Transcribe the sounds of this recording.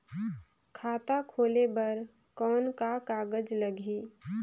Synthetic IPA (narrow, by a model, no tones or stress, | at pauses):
kʰaːt̪akʰoːlebəɾ | kɔːnkakaːɡəd͡ʒləɡʱi